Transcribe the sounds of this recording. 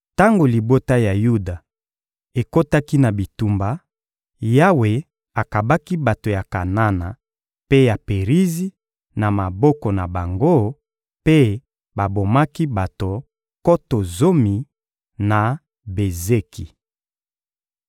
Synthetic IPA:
ta˦ŋɡo˨li˨bo˦ta˦ja˨ju˦da˨ | e˨ko˦ta˦ki˦na˨bi˨tu˦mba˨ | ja˦we˨ | a˨ka˨ba˦ki˦ba˨to˨ja˨ka˨na˦na˨ | pe˦ja˨pe˨ʁi˦zi˦ | na˨ma˨bɔ˦kɔ˨na˨ba˨ŋɡo˦ | pe˦ | ba˨bo˨ma˦ki˦ba˨to˨ | ko˦to˨zo˦mi˨ | na˨ | be˨ze˦ki˨

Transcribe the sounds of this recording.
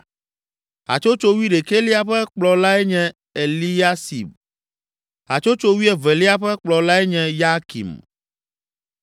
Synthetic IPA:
a̰˨t͡ʃo˦t͡ʃo˦wi˦ɖe˨ke˦li˦a˦ɸɛ˦k͡plɔ˨la˦ɛ˦ɲɛ̃˦ | e˨li˦a˦sḭ˨b | a̰˨t͡ʃo˦t͡ʃo˦wi˦ɛ˦vɛ˨li˦a˦ɸɛ˦k͡plɔ˨la˦ɛ˦ɲɛ̃˦ja˦kḭ˨m

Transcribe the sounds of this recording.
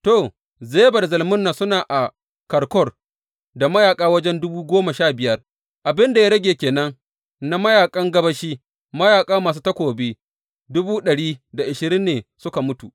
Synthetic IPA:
toː˨ | zeː˦ba˨da˨zɐ˨lmʊ˦nːa˨sʊ˦naː˨ʔa˨ | kɐ˨ɾkɔ˦˨r | da˨mɐ˦jaː˨kʼaː˦wɐ˦d͡ʒɛ˦ndʊ˦buː˦ɡʷoː˦ma˨ʃaː˦˨bɪ˨jɐ˦r | ʔa˨bɪ˦nda˨ja˦ɽɐ˦ɡʲeː˨kʲeː˨nɐ˦ŋ | na˦mɐ˦jaː˨kʼɐ˦ŋɡɐ˦bɐ˦ʃiː˦ | mɐ˦jaː˨kʼaː˦maː˨s̬uː˦tɐ˦kʷoː˨beː˦ | dʊ˦buː˦ɗɐ˨ɽiː˦da˨ʔɪ˨ʃɪ˨ɾɪ˦nːeː˨sʊ˦ka˨mʊ˦tu˨ʔ

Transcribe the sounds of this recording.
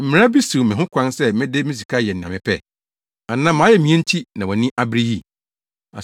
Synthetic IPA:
m̩˦mɪ̃˨˦a˦bi˦su˨mɪ̃˨ɦʊ̃˦kʷʰã˦nsɛ˦mɪ̃˦de˦mɪ̃˦s̬i˨kʰa˦˨jɛ˨n̩˨nã˨mɪ̃˨pʰɛ˦˨ | a˨nã˦mã˨˦jɛ˦mĩ˨˦ɛ̃˦n̩˦tʰi˦nã˨ɔ˨nĩ˦ʔa˦bɾi˦ji˦˨ | a̰˨

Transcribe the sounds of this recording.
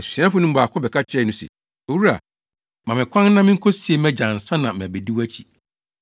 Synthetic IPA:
ɛ˨si̥˨sĩ˨˦ã˦fʊ˨˦nʊ̃˦m̩˦ba˨kʰʊ̃˦bɛ˨kʰa˦t͡ɕʰɾɛ˦˨˦nũ˦sɛ̰˨ | o˨wu˦ɾa̰˨ | mã˨mɪ̃˨kʷʰã˦n˦nã˦mɪ̃˦ŋ̩˦kʰɔ˦si˨e˦mɛ̃˦d͡ʑã˨n̩˨sã˦nã˨mɛ̃˨be˨di˦wæ˦t͡ɕʰi˨

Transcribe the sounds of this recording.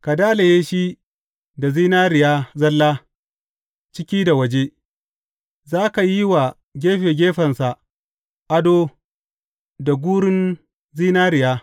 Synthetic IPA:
ka˨daː˦le˨jeː˦ʃi˦ | da˨ziː˦naː˦ɾɪ˨jaː˦zɐ˦lːaː˦ | t͡ʃɪ˦kʲiː˦da˨wɐ˦d͡ʒeː˦ | zaː˦ka˨ji˦wa˨ | ɡʲeː˦ɸe˨ɡʲeː˦ɸɐ˨nsa˨ | ʔa˦do˦ | da˨ɡʷuː˦ɽɪ˦n | ziː˦naː˦ɾɪ˨jaː˦

